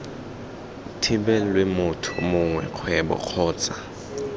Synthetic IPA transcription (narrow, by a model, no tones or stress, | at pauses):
tʰibɛlwemʊtʰʊmʊŋwɛ̰q͡χʰwɛbɔ̰q͡χʰɔːt͡sʼa